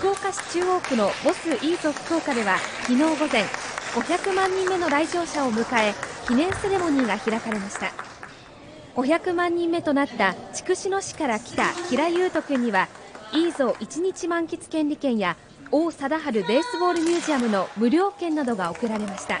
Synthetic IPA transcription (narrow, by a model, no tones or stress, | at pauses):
ko̞ːkaɕi̥t͡ɕɨːo̞ːkɯ̟no̞bo̞sɨʔiːzo̞kɯ̥ko̞ːkad̪e̞βakʲino̞ːɡo̞zẽ̞ŋɡ̥o̞çʲakɯ̟mãɲ̟ːĩmːe̞no̞ɾaiʑo̞ːɕao̞mɯ̟kae̞kʲinẽ̞ɰ̃se̞ɾe̞mo̞ɲ̟iːɡaçiɾakaɾe̞maɕi̥t̪a̰ | ɡ̥o̞çʲakɯ̟mãɲ̟ːĩmːe̞t̪o̞nat̪ːat͡ɕi̥kɯ̟ɕino̞ɕi̥kaɾakʲi̥t̪a̰kʲiɾajɯ̟ːt̪o̞kɯ̟ɲ̟ːiβa | iːzo̞ʔit͡ɕiɲ̟it͡ɕimãŋkʲi̥t͡sɨ̥kẽ̞nɾʲikẽ̞ɰ̃ja | oːsad̪aɦaɾɯ̟be̞ːsɨbo̞ːɾɯ̟mʲjɨːʑiamɯ̟no̞mɯ̟ɾʲo̞ːkẽ̞nːad̪o̞ɡao̞kɯ̟ɾaɾe̞maɕi̥t̪a̰